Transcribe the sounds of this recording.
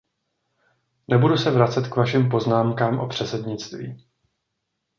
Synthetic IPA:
nɛbudusɛvɾat͡sɛt̪kvaʃɪmp̬o̞znaːmkaːmʔo̞̰pr̝̥ɛt͡sɛdɲɪt͡st̪vḭː

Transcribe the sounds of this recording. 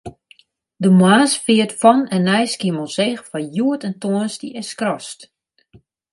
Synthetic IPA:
dəmwaːsfɪətfɔnɛnːɛjskiməlˠsexfɔjuətɛntoənsdiʔɛskrɔst

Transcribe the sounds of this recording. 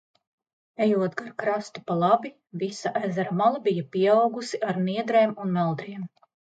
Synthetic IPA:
ɛjuɔt̪ɡaɾkɾast̪u̥palˠabi | visaʔæzaɾamalˠabijapiɛawɡusiʔaɾniɛd̪ɾeːmunmɛlˠd̪ɾiɛm

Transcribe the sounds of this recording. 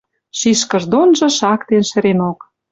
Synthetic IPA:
ʃiʃkə̆ʒd̪onʒɤ̆ʃɑkt̪enʃə̆ɾenok

